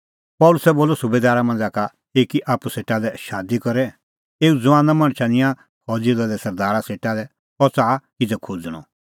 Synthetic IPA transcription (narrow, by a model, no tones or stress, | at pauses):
pɔːlʊsɛboːlɔsʊbeːd̪aːɾamɐ̃nd͡zaːka | eːkiʔaːpuseːʈalɛʃaːd̪ikɔɾɛ | eːud͡zʊãːnamɐ̃ɽ̃t͡ʃʰanɪ̃jã | hɔd͡zilalɛsɐɾd̪aːɾaseːʈalɛ | pɔt͡saːkɪd͡zɛkʰud͡zɽ̃ɔ̰